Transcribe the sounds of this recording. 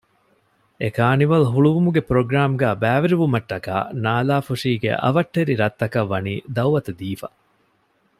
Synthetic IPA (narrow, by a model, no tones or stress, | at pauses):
ekaːniʋɐlɦuɭuʋumuɡepɾoɡɾaːmɡæːbæːʋeɾiʋumɐʈːɐka̰ːnaːlaːfuʂiːɡḛʔɐ̰ʋɐʈːeɾiɾɐt̪ːɐkɐʋːɐniːd̪ɐwʋɐt̪ɐd̪iːfɐ̰